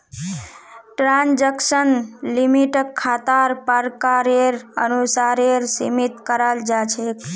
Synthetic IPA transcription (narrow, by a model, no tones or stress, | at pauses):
ʈɾand͡ʒəksənlimiʈəkʰːat̪aɾpəɾkaɾeɾənusaɾeɾsimit̪kəɾald͡ʒat͡ʃʰek